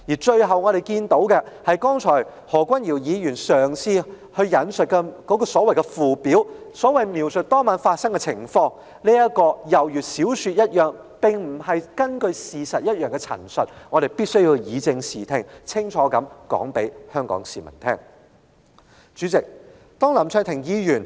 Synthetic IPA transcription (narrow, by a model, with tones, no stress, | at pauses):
jiː˨˩t͡ʃɵ˧ɥɦɐ˨wŋɔː˨˧ɾe˨˩jkiː˧nt̪o˨˥wkɛ˧hɐ˨jkɔː˥ŋt͡ʃʰɔː˨˩j | hɔː˨˩kʷɐ˥njiː˨˩wjiː˨˧jyː˨˩nsœː˨ŋsʰiː˧ | hɵ˧ɥjɐ˨˥nsɵ˨t̚kɛ˧kɔː˨˥kɔː˧sɔː˨˥wɐ˨˩jkɛ˧fuː˨˩piː˨˥wsɔː˨˥wɐ˨jmiː˨˩wsɵ˨t̚t̪ɔː˥ŋmaː˨˧˥nfaː˧t̚sɐ˥ŋkɛ˧t͡sʰɪ˨˩ŋfɔː˧ŋ | liː˥jɐ˥t̚kɔː˧jɐ˨˩wjyː˨t̚siː˨˥wsyː˧t̚jɐ˥t̚jœː˨ŋ | pɪ˨ŋm̩˨˩hɐ˨jkɐ˥nkɵ˧ɥsiː˨sɐ˨t̚jɐ˥t̚jœː˨ŋkɛ˧t͡sʰɐ̰˨˩nsɵ˨t̚ŋɔː˨˧ɾe˨jpiː˥t̚sɵ˥ɥji˧wjiː˨˧t͡sɪ˧ŋsiː˨˩t̪ʰɪ˨ŋt͡sʰɪ˥ŋt͡ʃʰɔː˨˥kɐ˨˥mkɔ̰ː˨˥ŋpe˨˥jhœː˥ŋkɔ̰ː˨˥ŋsiː˨mɐ̰˨˩nt̪ʰɛː˥ŋ | t͡ʃyː˨˥t͡sɪ˨k̚ | t̪ɔː˥ŋlɐ˨˩mt͡ʃʰœː˨˧t̪ʰɪ˨˩ŋjiː˨˧jyː˨˩n